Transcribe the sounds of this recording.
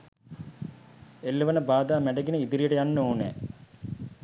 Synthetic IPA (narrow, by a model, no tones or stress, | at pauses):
elːuʋənəbaːd̪aːmæɖəɡinəid̪iɾijəʈəjanːoːnɛ̰ː